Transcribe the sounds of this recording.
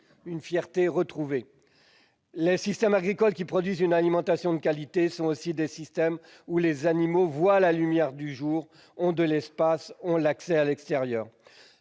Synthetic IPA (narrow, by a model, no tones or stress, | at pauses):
ynfjɛʁt̪eʁət̪χuve | lesist̪ɛmaɡʁikɔlkʲipχɔd̪ɥizynalimɑ̃t̪asjɔ̃d̪əkʲalit̪esɔ̃osid̪esist̪ɛm | ulezanimovwalalymjɛʁd̪yʒuːʁ | ɔ̃d̪əlɛspasɔ̃laksɛalɛkst̪eʁjœːʁ